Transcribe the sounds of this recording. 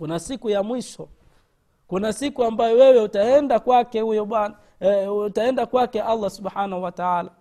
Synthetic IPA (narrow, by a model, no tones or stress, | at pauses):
kunasikujamwiʃɔ | kunasikuambajɔwɛwɛutaɛndakwakɛhujɔɓana | utaɛndakwakɛʔalˤːasuɓħanahuwataala